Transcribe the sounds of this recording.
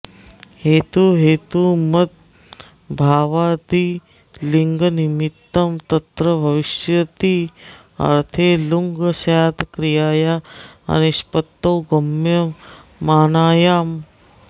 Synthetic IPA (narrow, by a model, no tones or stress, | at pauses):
heːt̪uɦeːt̪umɐt̪̚ | bʱaːʋaːt̪i | liŋɡənimit̪ːɐmt̪ɐt̪ɾɐbʱɐʋiʃjɐt̪i | ɐ̰ɾt̪ʰeːluŋɡsaːt̪kɾijaːjaːɐ̰niʃpɐt̪ːoːɡɐmjɐmaːnaːjaːm